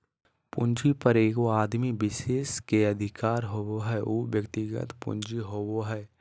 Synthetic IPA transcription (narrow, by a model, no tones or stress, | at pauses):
pʊ̃ɲd͡ʒipəɾeːɡoaːd̪mibɪʃeːskeɐd̪ʱɪkaːɾɦowoɦɛːʔuːʋjəkt̪ɪɡə̰t̪pʊ̰̃nd͡ʒiɦowoɦɛː